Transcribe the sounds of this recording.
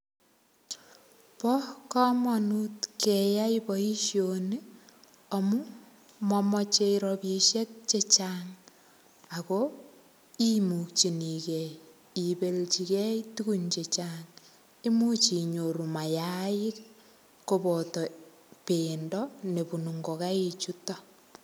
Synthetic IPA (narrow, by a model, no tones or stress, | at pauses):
pɔkɔmɔnutkɛjaipɔiʃjoni | ɔmu | mɔmɔt͡ʃeiɾɔpiʃet̚t͡ʃet͡ʃaŋ | ako | imuk̚t͡ʃinikɛj | ibelt͡ʃikɛitukunt͡ʃet͡ʃaŋ | imut͡ʃiɲoɾumajaɪk | kobɔtɔ | pendɔnepunuŋɡokait͡ʃutɔ